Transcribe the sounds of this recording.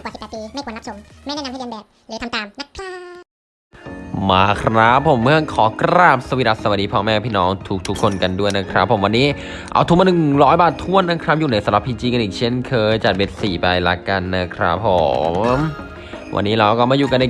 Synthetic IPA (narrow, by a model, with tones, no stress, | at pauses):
aː˨˩˨si˨pːt̪̚iː˧ma˥˩kwnːa˦˥so˨˩˦m | ma˥˩n˧˥˩na˧pʰaː˥˩ka˧mbɛː˨˩p̚dt̪ʰa˧t̪aː˨˩mna˦˥˩t̪ʰa˥˩ | maː˧kʰɾa˦˥pʰːo˩˦mːɯ˥˩əkʰɔː˨˦kɾaː˥˩p̚sa˧wi˦˥t̚a˦˩t̪sa˧wa˨˩diː˧pʰɔː˧˩mɛː˧˩pʰiː˥˩nɔː˦˥ŋt̪ʰuː˦˩k̚t̪ʰu˦˥kʰːo˧nka˧ndu˥˩əjna˦˥kʰɾa˦˥pʰːo˨˩˦wa˧nːiː˦˥ | ʔa̰˧wt̪ʰuː˨˥˩ma˧nɯ˨˩ŋɾɔː˦˥jbaː˨˩t̪ʰːu˥˩ənːa˦˥kʰɾa˦˥p̚juː˨˩na˧˥jsa˨˦mɾa˨˧˩pʰiː˧t͡ɕiː˧ka˧nʔiː˨˩k̚t͡ɕʰe˥˩nkʰɤː˧jt͡ɕa˨˩t̪̚we˦t̪̚siː˨˩pa˧jla˦˧ka˧nːa˦˥kʰɾa̰˦˥pʰːo̰˩˦mmm | wʔa̰˧nːiː˦˥ɾa˧wkɔː˥˩maː˧˩juː˨˩ka˧nʔaː˨˩